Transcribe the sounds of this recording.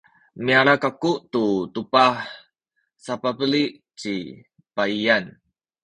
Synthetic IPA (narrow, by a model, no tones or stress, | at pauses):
miaɾakakuʔt̪ut̪upah | sapapəliʔ | t͡ʃi | paian